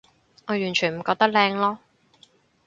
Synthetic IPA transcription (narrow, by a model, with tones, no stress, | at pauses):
ŋɔː˨˧jyː˨˩nt͡ʃʰyː˨˩nm̩˨˩kɔː˧k̚t̪ɐ˥k̚lɛː˧ŋlɔː˥